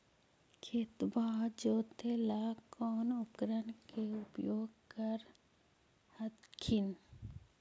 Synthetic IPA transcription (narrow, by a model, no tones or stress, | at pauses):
kʰeːt̪baːd͡ʒoːt̪elaːkɔːnʊkɾənkeʊpjoːɡ̚kəɾ | həd̪kʰɪn